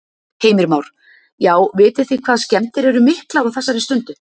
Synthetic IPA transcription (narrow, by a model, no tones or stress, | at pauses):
heːjmɪɾmawɾ̥ | jaːwvɪːt̪ɪθikʰv̥aːðscɛmt̪ɪɾɛɾʏmɪhklawawθɛsːaɾɪst̪ʏnt̪ʏ